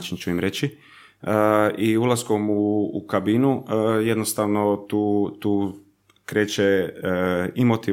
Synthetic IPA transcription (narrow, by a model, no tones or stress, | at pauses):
t͡ʃint͡ʃuimɾet͡ɕi | əiulˠaskomuːkabinuje̞d̪nost̪aʋno̞t̪uːt̪uː | kɾe̞ːt͡ʃe | imot̪i